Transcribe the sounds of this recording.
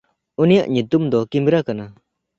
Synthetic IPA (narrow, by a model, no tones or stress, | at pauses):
unijaʔɲut̪umd̪ɔkimbɾakana